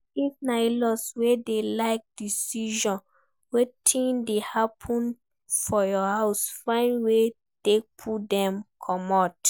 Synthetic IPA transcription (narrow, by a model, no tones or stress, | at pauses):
ifnaɪlɔswedelaɪk̚d̥isiʒɔ̃n | wetʰĩndehapʰɔ̃n | fɔjɔhaʊsfãɪ̃nwe | tek̚pʰudɛ̃mkʰɔmat